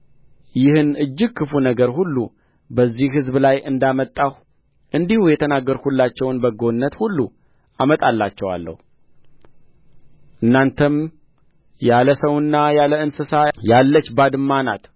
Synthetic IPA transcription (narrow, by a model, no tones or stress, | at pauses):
jɪhɨnɨd͡ʒːɪɡ̚kʰːɨfunəɡəɾhulːu | bəzːihɦɨzblajʔɨnd̪amət̪ʼːah | ʔɨnd̪ihujɛt̪ʰənaɡːəɾhulːat͡ʃːɛwnbəɡo̞nːət̪hulːu | ʔamət̪ʼalːat͡ʃːɛwa̰lːə̰hu | ʔɨnːant̪ʰəm | jaləsəwɨnːajaləɨnsɨsajalːət͡ʃːbad̪ɨmːana̰t̪